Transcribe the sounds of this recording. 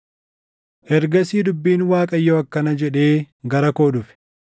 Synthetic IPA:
ʔɛɾɡɐsiːd̪ʊbːiːnwaːkʼɐjːoːɐkːɐnɐd͡ʒɛᶑe̞ː | ɡɐɾɐkoːᶑʊfɪ̥

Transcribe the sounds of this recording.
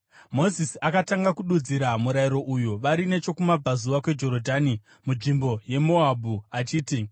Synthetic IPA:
mo̞zisiakataŋɡakuɗud͡ziɾamuɾaiɾo̞ʔujuʋaɾine̞t͡ʃo̞kumab͡vazuʋakwe̞d͡ʒo̞ɾodʱaːni | muʐimbo̞je̞mo̞abʱuat͡ʃiːti

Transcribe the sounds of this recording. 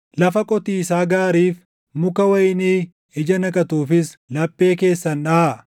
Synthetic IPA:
lɐfɐkʼɔt̪iːɪsaːɡaːɾiːf | mʊkɐwɐjɪniː | ɪd͡ʒɐnɐkʼɐt̪uːfɪslɐpʼːe̞ːke̞ːsːɐnᶑɐ

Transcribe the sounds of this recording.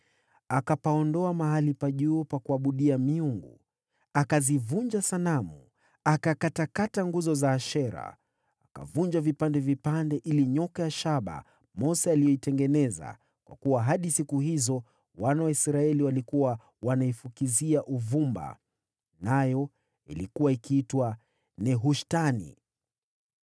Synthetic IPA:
akapaɔndɔamaɦalipaʄuːpakuaɓuɗiamiuŋɡṵ | akazivuɲd͡ʒasanamu | akakatakataŋɡuzɔzaːʃɛɾa̰ | aka̰vuɲd͡ʒavipandɛvipandɛʔiliɲɔkajaʃaɓa̰ | mɔsɛalijɔitɛŋɡɛnɛza̰ | kwʔa̰kuwaɦaɗisikuhizɔ | wanawaisɾaɛliwalikuwa | wanaifukiziaʔuvumba̰ | najɔ | ḭlikuwaikiitwa | nɛɦuʃtanḭ

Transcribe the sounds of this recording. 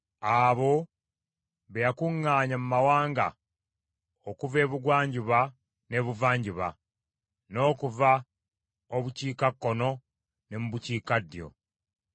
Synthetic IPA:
aβo̞ | βejakuŋːaːɲamumawaːŋɡa̰ | okuve̞ːβuɡwaːɲɟuβa | ne̞βuvaːɲɟiβa̰ | no̞ːkuva | oβuciːkakːono̞ | ne̞muβuciːkadːjo̞̰

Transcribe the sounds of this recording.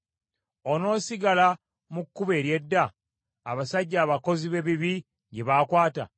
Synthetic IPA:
o̞no̞ːsiɡala | mukːuβeːɾje̞dːaː | βasaɟːaːβako̞ziβe̞βiβi | ɟe̞βakwaːta̰

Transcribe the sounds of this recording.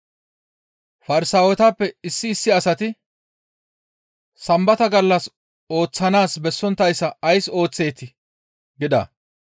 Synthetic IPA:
fɐɾɪsaːwɛt̪aːpːɛɪsːɪːsːɪɐsɐt̪ɪ | sɐmbɐt̪ɐɡɐlːɐs | o̞ːt͡sːɐnaːsbɛsːɔnt̪ːɐjsːɐːjso̞ːt͡sːe̞ːt̪ːɪ | ɡɪd̪a̰ː

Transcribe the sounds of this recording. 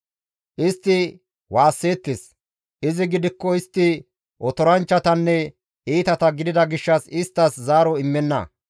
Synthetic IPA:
ʔɪst̪ːɪ | waːsːe̞ːt̪ːes | ʔɪzɪɡɪd̪ɪkːɔɪst̪ːɪ | ʔɔt̪ɔɾɐnt͡ʃːɐt̪ɐnːɛ | ʔiːt̪ɐt̪ɐɡɪd̪ɪd̪ɐɡɪʃːɐsɪst̪ːɐszaːɾɔɪmːɛnːɐ̰

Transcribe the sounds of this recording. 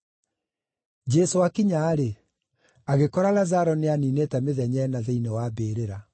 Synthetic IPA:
d͡ʒɛsoakiɲaːɾe | aɣekɔɾalazaɾɔneaninetɛmeðɛɲɛnaðeinewaːbeːɾeɾa

